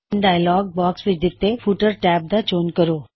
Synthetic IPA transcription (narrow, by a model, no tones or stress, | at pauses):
nɖaːjlɔːɡ̚bɔːksʋɪt͡ʃd̪ɪt̪ːefʰuːʈəɾʈɛːp̚d̪at͡ʃoːnkɐɾoː